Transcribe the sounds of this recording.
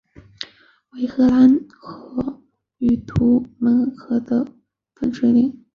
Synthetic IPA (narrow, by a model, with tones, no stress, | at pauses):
we˧˥ɪxɤ˧˥la˧˥nxɤ˧˥ | y˨˩t̪ʰu˧˥mə˧˥nxɤ˧˥d̪ə˧ | fə˥nʂwe˥li˥˨˩ŋ